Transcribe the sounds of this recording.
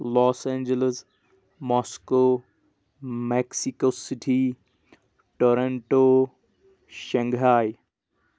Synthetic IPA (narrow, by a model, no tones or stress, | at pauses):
lɔːsɛ̃ːnd͡ʒələz | mɔːskoː | meksikoːsɪʈʰi | ʈoɾeɳʈoː | ʃɐ̃ŋɡɦaːj